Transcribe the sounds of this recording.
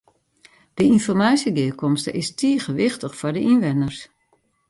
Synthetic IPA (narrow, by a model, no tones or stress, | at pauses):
d̥əinfɔrmaːsjəɡɪəkɔmstə̰ʔɪstʰiəχəʋɪxtəxfɔrdəʔinʋɪnərs